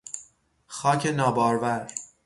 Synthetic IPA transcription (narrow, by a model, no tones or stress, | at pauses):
xɒːcʰenɒːbɒːɾvæɾ